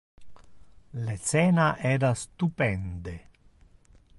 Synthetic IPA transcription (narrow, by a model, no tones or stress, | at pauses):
let̪sɛːnaʔɛːɾast̪upɛnd̪e